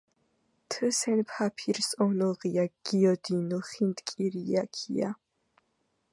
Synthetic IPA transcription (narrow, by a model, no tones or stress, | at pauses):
t̪ʰəsɛnpʰapʰirsʼɔnəlʁijaɡ̥iɔd̪inəχint̪ʼkʼiɾijakʰija̰